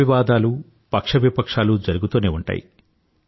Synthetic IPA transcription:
iʋaːd̪aːlu | pɐkʂɐʋipɐkʂaːlud͡ʒɐɾuɡut̪uːneːuɳʈa̰ːjḭ

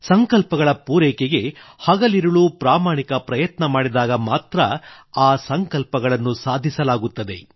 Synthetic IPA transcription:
sɐŋkɐlpɐɡɐɭɐpuːɾɛːkeɡe̞hɐɡɐliɾuɭupɾaːmaːɳikɐpɾɐjɐt̪nɐmaːɽid̪aːɡɐmaːt̪ɾɐ | aːsɐŋkɐlpɐɡɐɭɐnːusaːd̪ʱisɐlaːɡut̪ːɐd̪e̞̰

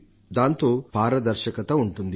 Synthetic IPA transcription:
d̪aːnt̪o̞ːpaːɾɐd̪ɐɾʃɐkɐt̪ɐuɳʈund̪i

